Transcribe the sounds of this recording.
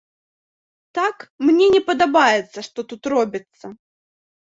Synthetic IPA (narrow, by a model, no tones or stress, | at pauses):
t̪akmnʲenʲɛpɐd̪abajɪt̪sːəʂt̪ɔt̪ut̪rɔbʲɪt̪sɐ